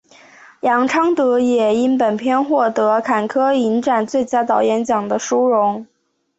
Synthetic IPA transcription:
jɑ˧˥ŋʈ͡ʂʰɑ˥ŋt̪ɤ˧˥jɛ˨˩i˥npə˨˩npʰjɛ˥nxwɔ˥˩t̪ɤ˧˥kʰa˨˩nkʰɤ˥i˧˥nʈ͡ʂa˨˩nt͡swe˥˩ɪt͡ɕja˥t̪ɑ˧˥ʊjɛ˧˥nt͡ɕjɑ˨˩ŋd̪ə˦ʂu˥ɻʊ˧˥ŋ

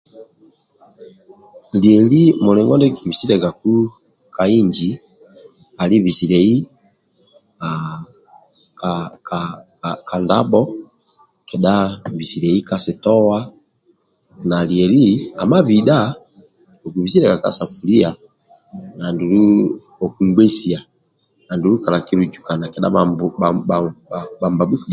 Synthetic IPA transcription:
ljɛ˨li˦mɔ˨lɛ˨ŋɡɔ˦ndɛ˦ki˨βi˨si˦ɾɛ˨ɡa˨ku˦ | ka˨i˦ɲd͡ʒi˨ | a˨li˦βi˨si˨ɾɛ˨i˦ | a | kaka | ka˨nda̰˦bɔ˦ | kɛ˨ɗa˦bi˨si˨ɾɛ˨i˦ka˦sɛ˨tɔ˦wa˦ | na˨li˨ɛ˨li˦a˨ma˦βi˨da˦ | ɔ˨ku˨βi˨si˦ɾɛ˦˨ka˨ka̰˦sa˨fu˨li˦a˨ | na˨ndu˨ɾu˦ | ɔ˨ku˨ŋɡwɛ˦si˨a˨ | na˨ndu˨ɾu˦ka˨la˨ki˦ɾu˨d͡ʒu˨ka˨na˨kɛ˨ɗa̰˦˨ | ba˨mba˨bu˦k

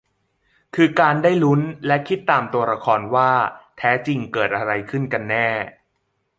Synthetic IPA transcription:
kʰɯː˧kaː˧nda˥˩jlu˦˥nlɛ˦˥kʰi˦˥t̪ːaː˨˩mt̪u˧ɐɾa˧kʰɔː˧nwaː˥˩t̪ʰɛː˦˥t͡ɕi˧ŋkɤː˨˩t̪̚ʔa˧ɾa˧jkʰɯ˥˩nka˧nːɛː˥˩

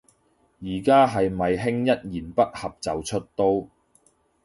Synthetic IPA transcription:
jiː˨˩kaː˥ɦɐ˨jmɐ˨jɦɪ˥ŋjɐ˥t̚jiː˨˩npɐ˥t̚hɐ˨p̚t͡sɐ˨wt͡ʃʰɵ˥t̚t̪o˥w

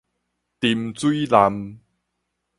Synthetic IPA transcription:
t̪i˧mt͡su˦la˧m

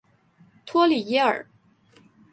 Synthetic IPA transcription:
t̪ʰwɔ˥li˨˩jɛ˥ə̰˞˨˩˦

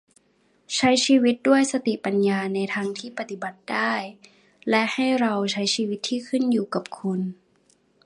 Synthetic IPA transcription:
t͡ɕʰa˦˥jsiː˧wi˦˥t̪̚du˥˩əjsa˧t̪i˨˩pa˨˧njaː˧na˧jt̪ʰaː˧ŋt̪ʰiː˥˩pa˧t̪i˨˩ba˨˩t̪̚daː˥˩j | lɛ˦˥ʔha˥˩jɾa˧wt͡ɕʰa˦˥jsiː˧wi˧˦˥t̪ʰːiː˥˩kʰɯ˥˩˨njuː˨˩ka˨˩p̚kʰu˧n

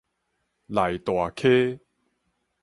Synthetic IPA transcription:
la˨˩jt̪wa˨˩kʰe˦

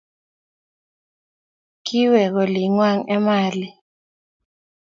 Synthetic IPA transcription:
ki˦wɛ˨k̬ɔ˨li˨ŋwa˦ŋɛ˦maː˨li˨

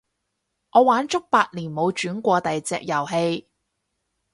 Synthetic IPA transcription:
ŋɔː˨˧waː˨˥nt͡ʃʊ˥k̚paː˧t̚liː˨˩nmo˨˧wt͡ʃyː˨˥nkʷɔː˧t̪ɐ˨jt͡sɛː˧k̚jɐ˨˩wɦe˧j

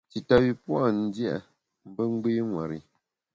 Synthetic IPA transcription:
ti˨ta˨wi˨pwa˦˨n̩˦dja˦ʔ | m̩˦bə˦ŋ͡m̩˦ɡ͡be˦ŋwa̰˨ɾḭ˨

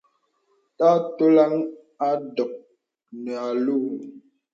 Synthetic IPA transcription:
ta˦to˦la˦ŋ | a˦dɔ˨k̚ | nɛ˨a˨lu˦

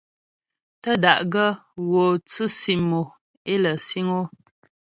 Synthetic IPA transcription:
tə˦da˨ʔɡə˦ɣo˨t͡sɨ˦si˨mo˨ | e˦lə˨si˦ŋo˦

